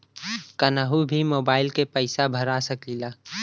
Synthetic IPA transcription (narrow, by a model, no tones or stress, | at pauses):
kənaɦubʱimoːbaːɪlkepəɪsabʱɐɾasəkilaː